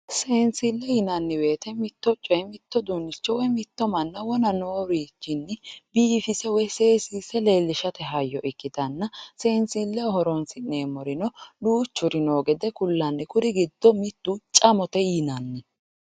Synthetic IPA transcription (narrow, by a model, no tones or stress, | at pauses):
seːnsɪlːɛjɪnɐnːɪwe̞ːt̪ɛmɪt̪ːɔt͡ʃʼːɔjmɪt̪ːɔd̪unːɪt͡ʃːɔwɔjmɪt̪ːɔmɐnːɐwɔnɐnoːɾiːt͡ʃːɪnːɪbiːfɪsɛwɔjseːsiːsɛle̞ːlːɪʃɐt̪ɛɦɐjːɔʔɪkːɪt̪ɐnːɐseːnsilːɛɔhɔɾɔnsɪnne̞ːmɔɾɪnɔluːt͡ʃːʊɾɪnoːɡɛd̪ɛkʊlːɐnːɪkʊɾɪɡɪd̪ːɔmɪt̪ːut͡ʃʼɐmɔt̪ɛjɪnɐnːɪ